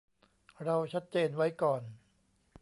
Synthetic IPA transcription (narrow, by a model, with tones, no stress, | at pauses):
ɾa˧wt͡ɕʰa˦˥t̪̚t͡ɕeː˧nwa˦˥jkɔː˨˩n